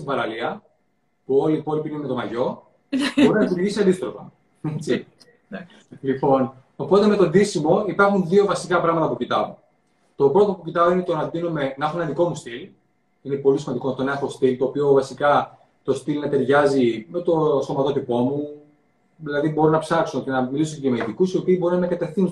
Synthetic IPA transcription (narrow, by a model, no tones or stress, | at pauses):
sivɐɾɐliɐ | puo̞liːpo̞lipineme̞t̪omɐʝo̞ | bo̞ɾinɐit̪uɾʝisiɐnd̪ist̪ɾo̞fɐ̰ | et͡si | lipo̞n | opo̞t̪e̞me̞t̪o̞nd̪isimo̞ipɐɾxunðio̞vɐsikɐpɾɐɣmɐt̪ɐpucit̪ɐo | t̪o̞pɾot̪opucit̪ɐo̞ine̞t̪onɐnd̪inome̞nɐxoenɐðiko̞must̪il | ine̞po̞lisimɐnd̪ikot̪onɐxo̞st̪ilt̪o̞ːpio̞vɐsikɐ | t̪o̞st̪ilnɐt̪eɾʝɐzime̞t̪o̞st̪o̞mɐt̪o̞t̪ipo̞mu | ðilɐðibo̞ɾonɐpsɐkso̞ce̞nɐmilisocemeðikusiopiːbo̞ɾunɐnɐkɐt̪e̞fθin